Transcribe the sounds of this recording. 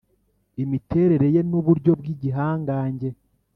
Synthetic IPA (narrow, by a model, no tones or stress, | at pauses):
imitʰe̞ːɾe̞ɾe̞je̞nuβuɾɟo̞b̚ɡiːɟiɦaːŋɡaːɲɟe̞